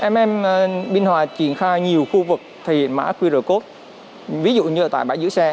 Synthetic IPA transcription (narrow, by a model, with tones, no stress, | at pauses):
ʔɛ˧mʔɛ˧m˨ɓi˧nhwaː˨˩t͡ɕi˧˩ənxaː˧jɲi˨˩əwxu˧vɨ˨˩k̚t̪ʰi˨˩ma̰ː˧˥kwi˧ɾəː˧˩ko˦˥t̚ | vi˨˦zṵ˧˨ɲɨ˧ʔəː˧˩t̪a̰ː˧˨jɓaː˧˩jzɨ̰˧˥sɛ˧